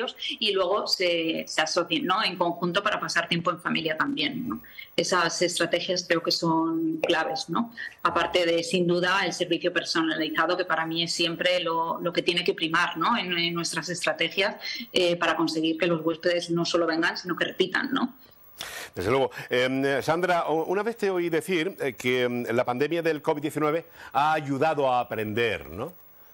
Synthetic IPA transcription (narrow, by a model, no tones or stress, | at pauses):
osilwe̞ɣ̞o̞se̞se̞aso̞θjenːo̞e̞ŋko̞ŋxunt̪o̞paɾapasaɾt̪je̞mpo̞e̞ɱfamiljat̪ambjenːo̞e̞sase̞st̪ɾat̪e̞xjaskɾe̞oke̞so̞ŋklaβe̞zno̞apaɾt̪e̞ð̞e̞sind̪uð̞ae̞lse̞ɾβiθjope̞ɾso̞naliθaðo̞ke̞paɾamĩe̞sːje̞mpɾe̞lo̞lo̞ke̞t̪je̞ne̞kepɾimaɾno̞enenːwe̞st̪ɾase̞st̪ɾat̪e̞xjasepaɾako̞nse̞ɣ̞iɾke̞lo̞zɣwe̞spe̞ðe̞zno̞so̞lo̞βe̞ŋɡansino̞ke̞re̞pit̪a̰nːo̞̰ | d̪̥e̞zðelweɣoemsand̪ɾaunaβe̞θt̪eoiðe̞θiɾkelapand̪emjaðe̞lkoid̪jeθinwe̞βe̞aːʝuðaðoaːpɾe̞nd̪e̞ɾno